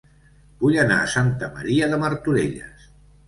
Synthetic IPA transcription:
b̥uʎəna̰əsant̪əmə̰ɾiəðəməɾt̪uɾeʎə̰s

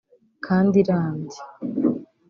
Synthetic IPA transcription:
kʰaːndiɾaːndi

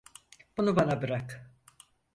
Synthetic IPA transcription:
b̥unubanabɯɾak

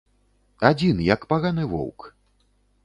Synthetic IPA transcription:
ad͡zʲinjɐkpaɣanɨvɔ̰wk

